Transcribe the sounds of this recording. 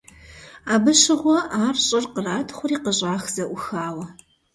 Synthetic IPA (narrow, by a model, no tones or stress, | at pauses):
aːbɨɕɪʁʷɔʔaːrɕʼɪrqəraːtʰχʷʊriːqəɕʼaːxz̥ɐʔʷʊxaːwɐ